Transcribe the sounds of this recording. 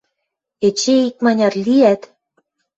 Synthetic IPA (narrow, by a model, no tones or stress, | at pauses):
et͡ɕeik̚mɑnʲɑrliæt̪